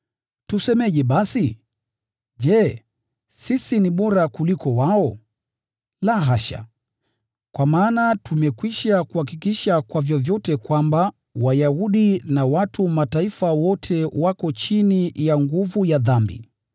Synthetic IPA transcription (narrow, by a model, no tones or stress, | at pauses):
tusɛmɛʄɛɓasi | ʄɛ | sisiniɓɔɾakulikɔwaɔ | laɦaʃa̰ | kwamaːnatumɛkwiʃakuhakikiʃakwavjɔvjɔtɛkwamba | wajahuɗinawatumataifawɔtʰɛwakɔt͡ʃinijaŋɡuvujaðambḭ